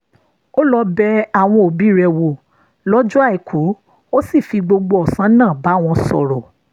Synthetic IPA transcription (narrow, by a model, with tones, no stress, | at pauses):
o˦lɔ˧bɛ˧a˦˨w̃ɔ̃˧o˨bi˨˦˨ɾɛ˧wo˧˨ | lɔ˦d͡ʒu˦a˦˨i˨kʰu˨˦ | o˦si˦˨fi˧ɡ͡bo˧ɡ͡bo˧ɔ˨sã˨˦nãː˦˨ba˨˦˨w̃ɔ̃˧sɔ̰˨ɾɔ˨